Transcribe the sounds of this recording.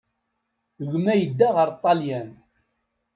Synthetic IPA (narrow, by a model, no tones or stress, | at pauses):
əʝmæjəd̪ːaʁəɾˤt̪ˤːɑljæn